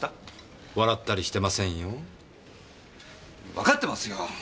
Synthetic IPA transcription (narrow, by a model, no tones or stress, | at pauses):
βaɾat̪ːaɾʲiɕi̥t̪e̞masẽ̞ɰ̃jo̞ | βakat̪ːemasɨjo